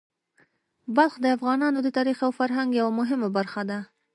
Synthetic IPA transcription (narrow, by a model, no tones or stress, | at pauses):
balxd̪əafɣɑnɑnod̪ət̪ɑɾixawfaɾɦaŋɡjawamʊɦɪmabaɾxad̪a